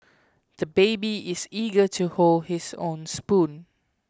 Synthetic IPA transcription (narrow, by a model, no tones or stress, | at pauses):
d̪̥əbeɪbiɪsiɡətʰuholdhɪsõ̰ʊnspũn